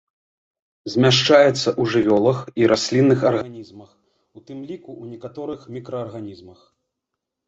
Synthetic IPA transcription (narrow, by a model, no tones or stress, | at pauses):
zʲmʲaʂt͡ʂajɛt̪sːɐʔuʐɨvʲɔlˠɐxiɾʔasʲlʲinːɨxɐrɣanʲizmɐx | ut̪ɨmlʲikuwnʲɛkat̪ɔɾɨxmʲikɾɐːrɣanʲizmɐx